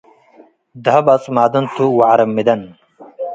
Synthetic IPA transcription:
d̪ʱɐbɐt͡smaːd̪ɐnt̪ʰuwaʕɾɐmːid̪ɐn

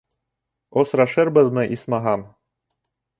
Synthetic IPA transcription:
osɾɑʃɤɾbɤ̆ðmɤ̆ʔismɑɦɑm

